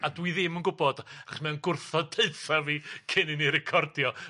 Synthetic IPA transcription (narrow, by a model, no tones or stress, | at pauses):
adwiðɪmənɡʊbɔd̥aaχɔ̥smɛnɡʊrθɔdʰeɨθaviːkʰɪnɪniɾɛkʰɔrdjɔ